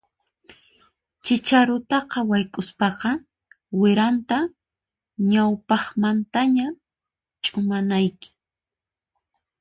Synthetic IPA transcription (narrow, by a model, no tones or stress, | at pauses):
t͡ʃɪt͡ʃaɾʊt̪ɑqɑwajkʼʊspɑqɑ | wɪɾant̪a | ɲawpɑχmant̪aɲa | t͡ʃʼʊmanajkɪ̥